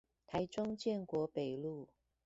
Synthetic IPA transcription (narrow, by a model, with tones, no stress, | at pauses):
t̪ʰa˧˥ɪʈ͡ʂʊ˥ŋt͡ɕjɛ˥˩˨nkwɔ˧˥pe˨˩ɪlu˥˩